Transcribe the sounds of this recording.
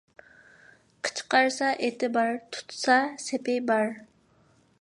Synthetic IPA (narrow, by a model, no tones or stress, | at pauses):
qʰə̥t͡ʃʰqɑɾsɑʔet̪ɪbɑɾt̪ʰu̥t̪ʰsɑsepejbɑɾ